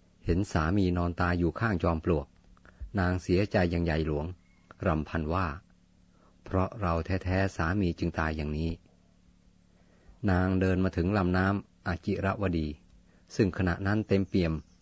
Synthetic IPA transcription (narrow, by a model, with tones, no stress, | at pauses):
he˩˦nsaː˩˦miː˧nɔː˧nt̪aː˧juː˨˩kʰaː˥˩ŋt͡ɕɔː˧mplu˨˩ək̚naː˧ŋsi˩˦ɐt͡ɕa˧jːaː˨˩ŋja˨˩jlu˩˦əŋ | ɾa˧mpʰa˧nwaː˥˩ | pʰɾɔ˦˥ʔɾa˧wt̪ʰɛː˦˥t̪ʰɛː˦˥saː˩˦miː˧t͡ɕɯ˧ŋt̪aː˧jaː˨˩ŋniː˦˥ | naː˧ŋdɤː˧nmaː˧t̪ʰɯ˩˦ŋla˧mnaː˦˥mʔaː˨˧˩t̪̚t͡ɕi˨˩ɾa˦˥ʔwa˧diː˧ | sɯ˥˩ŋkʰa˧na̰˨˩ʔna˦˥nt̪e˧mpi˧˩əm